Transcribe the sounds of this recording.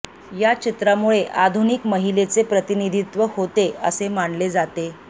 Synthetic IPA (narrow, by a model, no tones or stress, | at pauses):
jat͡ɕit̪ɾamuɭeʔad̪ʱunikməɦilet͡sepɾət̪inid̪ʱit̪ʋəhot̪eəsemaɳled͡zat̪e